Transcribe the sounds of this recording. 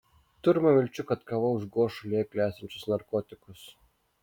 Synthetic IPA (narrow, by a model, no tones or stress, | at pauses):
t̪ʊɾmɐʋʲɪlʲt͡ʃʲʊkɐt̪kɐʋɐʊʒɡoːʃʊlʲeːkʲlʲæːsʲɛnʲt͡ʃʲʊsnɐɾkɔːt̪ʲɪkʊs